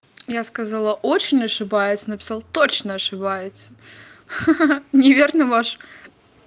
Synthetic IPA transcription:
jaskɐzalˠəʔot͡ɕɪnʲɐʂɨbajɪt̪sʲənəpʲɪ̥salˠt̪ot͡ɕnəɐʂɨbajɪt̪sə | nʲɪvʲernəvaʂ

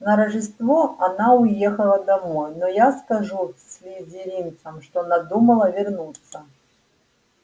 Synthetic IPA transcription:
nɐɾəʐɨst̪voɐnaʊjexəlˠəd̪amojnɔjaskɐʐusʲlʲɪzʲɪɾʲint̪səmʂt̪oɐnad̪uməlˠəvʲɪrnut̪sːə

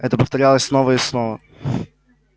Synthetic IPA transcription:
ɛ̃t̪ɐ̃pɾɐft̪ɐɾialˠɛsnɔvɐesnɔvɐ

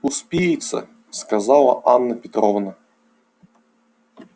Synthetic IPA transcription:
uspʲijit̪sə̰ | skazalˠɐ̰ʔanːɐpʲɪt̪ɾɔvnə

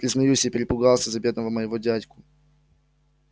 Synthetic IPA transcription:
pɾʲɪznɐjusʲipʲɪɾʲɪpʊɡɑlˠsʲəzɐbʲe̞d̪nəvəməjɪvodʲætʲkʊ

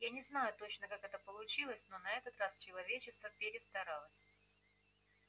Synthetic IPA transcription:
janʲɪznajʊt̪o̞t͡ɕnəkakɛt̪əpəlˠʊt͡ɕilˠəsʲno̞nɐɛt̪ət̪rast͡ɕɪlˠɐvʲet͡ɕɪst̪vəpʲɪɾʲɪst̪ɐɾalˠəsʲ

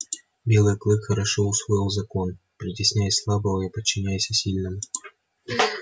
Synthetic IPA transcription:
bʲɛlˠɨjɐklˠɨxɐɾaʂɨwsvɔjiwzakɔn | pɾɨt͡sʲisʲnʲajɛsʲlˠabɐwjapɐt͡ʃːɨnʲajɛsʲɐsʲilʲnɨm

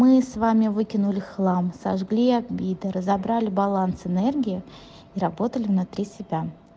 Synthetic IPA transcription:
mɨsvamʲɪvɨkʲɪnʊlʲɪxlˠamsɐ̰ʐɡlʲiabʲid̪ɨɾəzɐbɾalʲɪbɐlˠansɨnɛrɡʲɪɪ | iɾɐbo̞t̪əlʲɪvnʊt̪ɾʲisʲɪbʲa

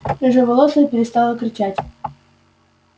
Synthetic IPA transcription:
ɪʐəvɐlˠosəpʲɪɾʲɪst̪ɑlˠəkɾʲɪt͡ɕætʲ

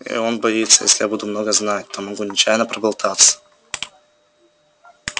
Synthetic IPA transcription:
ḭo̞nbɐit̪sːəjḛsʲlʲɪjabud̪ʊmno̞ɡəznat̚ʲt̪omɐɡunʲɪt͡ɕæjnəpɾəbɐlˠt̪ʰat̪sə̥

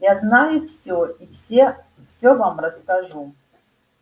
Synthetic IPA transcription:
jaznajʊfsʲoifsʲe | fsʲovamrəskɐʐu

